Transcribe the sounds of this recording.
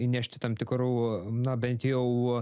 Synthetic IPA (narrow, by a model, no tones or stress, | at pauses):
inʲæʃʲt̪ʲɪt̪ɐmt̪ʲɪkɾuːnɐbʲɛnʲt̪jɛʊ